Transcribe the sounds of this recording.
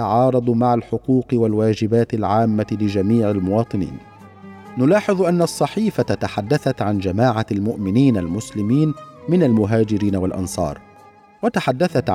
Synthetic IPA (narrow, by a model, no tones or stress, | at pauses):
aʕɑːɾˤɑd̪ˤmaʕalħʊquːqɪwalwaːd͡ʒɪbaːt̪ɪlʕaːmːalɪd͡ʒamiːʕalmʊwɑːt̪ˤɨnḭːn | nʊlɑːħɨðˤʔanːaʔɑsˤːɑħiːfaat̪aħad̪ːaθat̪ʕand͡ʒamaːʕalmʊʔmɪniːnalmʊslɪmiːnmɪnalmʊɦaːd͡ʒɪɾiːnawalʔɑ̰nsˤɑ̰ːɾˤ | wat̪aħad̪ːaθat̪